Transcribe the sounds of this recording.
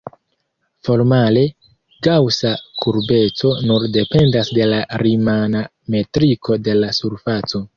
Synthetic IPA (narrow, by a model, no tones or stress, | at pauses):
fo̞ɾmale̞ | ɡawsakʰuɾbe̞t͡so̞nuɾde̞pe̞ndasde̞laɾimana | me̞tɾikʰo̞de̞lasuɾfat͡so̞